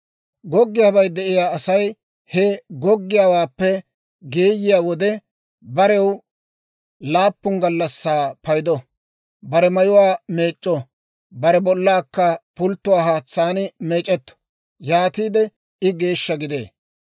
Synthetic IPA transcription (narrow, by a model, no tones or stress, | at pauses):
ɡɔɡːɪjaːbɐjd̪ɛʔɪjaːɐsɐj | hɛɡɔɡːɪjaːwaːpːɛ | ɡeːjɪjaːwɔd̪ɛ | bɐɾɛw | laːpːʊŋɡɐlːɐsːaːpɐjd̪ɔ | bɐɾɛmɐjʊwaːme̞ːt͡ʃʼːɔ | bɐɾɛbɔlːaːkːɐpʊlt̪ːʊwaːɦaːt͡sːaːnmeːt͡ʃʼːɛt̪ːɔ̥ | jaːt̪iːd̪ɛ | ɪɡe̞ːʃːɐɡɪd̪e̞̰ː